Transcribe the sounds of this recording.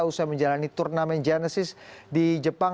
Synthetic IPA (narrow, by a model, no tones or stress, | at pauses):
ausaməɲd͡ʒalanit̪urnamɛnd͡ʒanəsɪsdid͡ʒəpaŋ